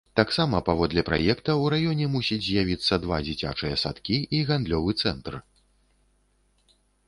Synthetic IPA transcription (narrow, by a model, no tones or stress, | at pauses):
t̪aksamɐpavɔd̪lʲɛpɾa̰jɛkt̪ɐwɾajɔnʲɛmusʲid͡zʲzʲjavʲit̪sːɐd̪va̰d͡zʲit͡sʲa̰t͡ʂɨjɐsa̰t̪kʲiiɣand̪lʲɔvɨt̪sɛnt̪r